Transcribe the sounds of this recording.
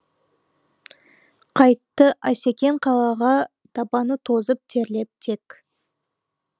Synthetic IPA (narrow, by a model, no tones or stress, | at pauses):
qʰɑjt̪ːəʔæse̞kʲe̞ɴqʰɑlˠɑʁɑ | d̪̥ɑpɑnət̪ʰo̞zəp̚t̪ʰe̞ɾle̞p̚t̪ʰe̞k